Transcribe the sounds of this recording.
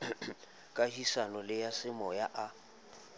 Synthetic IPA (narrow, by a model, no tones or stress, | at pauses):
kʼahisanɔlɪjasɪmɔjaʔa